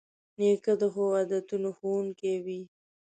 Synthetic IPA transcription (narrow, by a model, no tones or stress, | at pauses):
nekəd̪əɦowad̪at̪unoxunkewi